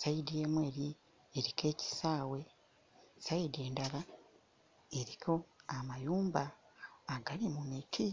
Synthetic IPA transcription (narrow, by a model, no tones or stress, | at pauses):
saidije̞ːmwe̞ːɾi | eɾike̞ːci̥saːwe̞ | saide̞ːndala | eɾikʰo̞amajuːmbaː | ɡalimumitʰi